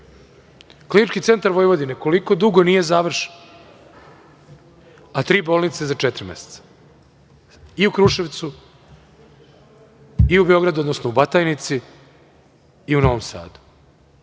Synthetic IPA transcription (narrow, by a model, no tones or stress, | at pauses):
klinit͡ʃkit̪se̞nt̪aɾʋo̞jʋo̞d̪ineko̞liko̞d̪uɡo̞nije̞zaːʋr̩ʃe̥n | at̪ɾiːbolnit̪sezat͡ʃet̪ɾimḛse̥t̪sḁ | iukɾuʃe̞ʋt̪su | iubeo̞ɡɾad̪uod̪nosnoubat̪ajnit̪si | uno̞ʋomsa̰ːd̪u̥